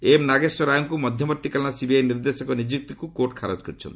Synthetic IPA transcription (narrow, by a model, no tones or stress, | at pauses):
emnaɡesɔɾajɔŋkumɔd̪ʱjɔmɔɾt̪ikalnasibiajniɾd̪esɔkɔnid͡ʒik̚t̪ɔkukoʈkʰaɾɔd͡ʒkɔɾt͡ʃʰɔ̰nt̪i